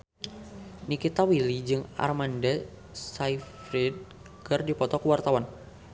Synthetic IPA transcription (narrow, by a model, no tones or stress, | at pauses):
nikit̪awilid͡ʒɨŋa̰rmanda | saifɾɛd̚ | kɨrdipɔt̪ɔkuwart̪awan